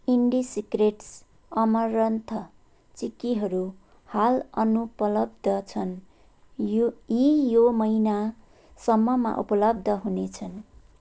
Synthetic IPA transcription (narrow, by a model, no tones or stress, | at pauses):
iɳɖisikreʈs | ʌmʌɾʌnt̪ʰʌ | t͡sikːiɦʌɾu | halʌnupʌlʌb̚d̪ʱʌt͡sʰʌn | jijomʌina | sʌmːʌma̰ʔṵpʌlʌbd̪ʱʌɦunet͡sʰʌn